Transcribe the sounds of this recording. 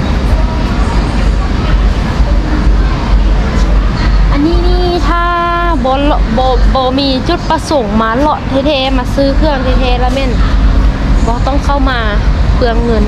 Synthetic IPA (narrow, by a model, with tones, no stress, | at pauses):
ʔa˧˨nːiː˧˥˨niː˧˥˨t̪ʰaː˧˨ | bɔː˨˧˦lɔ˧ʔbɔː˧˦bɔː˧˦miː˧˨t͡ɕo˧˩t̪̚pa˧so˨˦ŋmaː˧˦lɔ˧˦ʔt̪ʰeː˧˦t̪ʰɛː˧˦maː˧˦sɯː˧˥˨kʰɯ˧ə˨ŋt̪ʰeː˧˩t̪ʰɛː˧˩lɛː˧˨mɛː˧˥˩n | bɔː˧˦t̪ɔ˧˥˩ŋkʰa˧˩˨wmaː˧pʰɯ˧əŋːɤ˧˥˨n